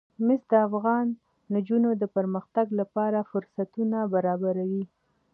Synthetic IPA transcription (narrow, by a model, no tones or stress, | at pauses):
mɪsd̪əafɣɑnː | d͡ʒunod̪əpəɾməxt̪aɡlapɑɾafʊɾsat̪unabaɾɑbaɾawi